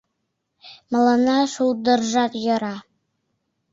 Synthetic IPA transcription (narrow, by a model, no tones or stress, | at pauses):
mɤ̆lˠɤ̆nɑʃulˠd̪ɤ̆ɾʒɑqjɤ̆ɾɑ